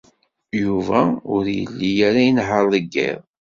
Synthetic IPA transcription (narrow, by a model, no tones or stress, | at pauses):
juvæʊɾjə̰lːijæɾæjənɦəɾˤləɡːḭðˤ